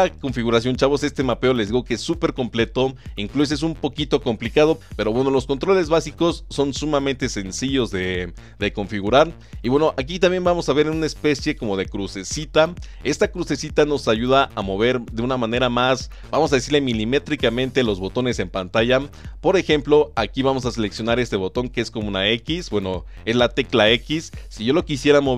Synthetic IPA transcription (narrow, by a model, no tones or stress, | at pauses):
ko̞ɱfiɣuɾasjo̞nt͡ʃaβo̞se̞st̪e̞mapeole̞zðiɣo̞keesːupe̞ɾko̞mple̞t̪o̞iŋklus̬es̬umpo̞kit̪o̞ko̞mplikað̞o̞pe̞ɾo̞βweno̞lo̞sko̞nt̪ɾo̞le̞zβasiko̞sːo̞nsumamẽnt̪e̞se̞nsiʝo̞zðe̞ | ðe̞ko̞ɱfiɣuɾaɾ | iβwe̞noʔak̬it̪ambje̞nbamo̞saβe̞ɾenũnaespe̞sje̞ko̞mo̞ðe̞kɾuse̞sit̪a | e̞st̪akɾuse̞sit̪ano̞saʝuðaʔamo̞β̞e̞ɾðe̞unamãne̞ɾamas | bamos̬aðe̞siɾle̞milime̞t̪ɾikamẽ̞nt̪elo̞zβo̞t̪o̞ne̞se̞mpant̪aʝapo̞ɾe̞xe̞mplo̞akiβamos̬ase̞le̞ksjo̞naɾe̞st̪e̞βo̞t̪o̞ŋkeesko̞mounae̞kisbwe̞no̞ | e̞zlat̪e̞klaekisːiʝo̞lo̞kisje̞ɾamo